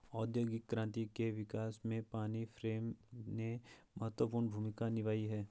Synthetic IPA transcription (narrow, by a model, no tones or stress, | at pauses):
ɔːd̪joːɡɪkːɾãːnt̪ikeʋɪkaːsmẽpaːnifʰɾeːmnemɐɦət̪wəpuːɾnbʱuːmɪkanɪʋaːiɦɛː